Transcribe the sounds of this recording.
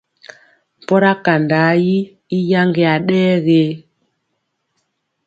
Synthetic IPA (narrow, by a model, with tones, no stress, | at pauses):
m̩˨pɔ˦ɾa˦ka˨nda˨˦ji˦ | i˦ja˦ŋɡe˨a˨ɗɛː˦ɣe˨˦